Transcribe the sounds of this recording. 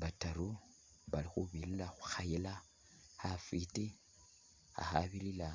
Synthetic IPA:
βataɾu | βalixuβililaxu̥xajela | hafite | a̰xaβilila

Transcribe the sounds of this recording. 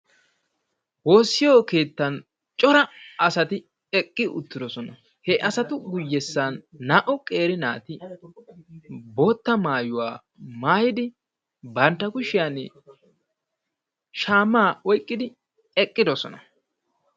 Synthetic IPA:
wo̞ːsːɪjoːke̞ːt̪ːɐn | t͡ʃʼɔɾɐɐsɐt̪ɪ | ɛkʼːɪʊ̰t̪ːɪd̪ɔsɔnɐ | hɛʔɐsɐt̪ʊɡʊjːɛsːanːaːʔɔkʼe̞ːɾɪnaːt̪ɪ | bo̞ːt̪ːɐmaːjʊwaː | maːjɪd̪ɪ | bɐnt̪ːɐkʊʃɪjanɛ | ʃaːmːaːɔjkʼːɪd̪ɪ | ɛkʼːɪd̪ɔsɔ̰nɐ

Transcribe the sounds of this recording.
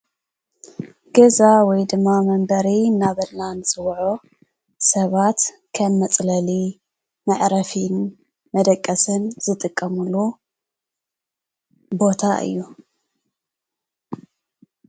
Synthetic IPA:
ɡ̥ɐzawɔjd̪ɨmːamɐmbɐɾinaβɐɾlansʼɨwʕo | sɐβat̪ | kʰɐmːɐt͡sʼlɐli | mɐʕɾɐfin | mɐd̪ɐkʼːɐsɨnz̥ɨt̪ʼɨkʼːɐmulu | bo̞t̪ʰaʔɨ̰jːu

